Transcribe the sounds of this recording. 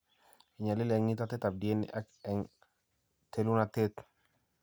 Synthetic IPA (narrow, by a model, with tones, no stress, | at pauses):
i˨ɲa˨li˦lɛ˨ŋi˦ta˦tɛ˦t̪a˨b̚di˨e˦n̰ʔa˦kɛ˨ŋ | t̪e˦lu˦na˦tet̪